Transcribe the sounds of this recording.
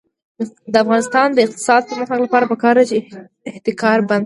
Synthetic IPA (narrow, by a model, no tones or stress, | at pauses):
d̪əafɣɑnɪst̪ɑnd̪əɪq̚t̪ɪ̥sɑd̪̚pəɾməxalapɑɾapəkɑɾd̪at͡ʃe | ɪht̪ɪkɑɾband̪